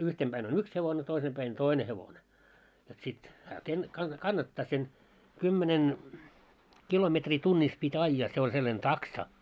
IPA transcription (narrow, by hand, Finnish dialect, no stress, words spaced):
yhtem b̥æin on yks heʋone toisem b̥æin toine heʋone jot sit hæː ken kɑn kɑnːɑtːɑː sen kymːenen kilometriː tunːis pitʲ ɑijːɑː se olʲ selːɑn tɑksɑ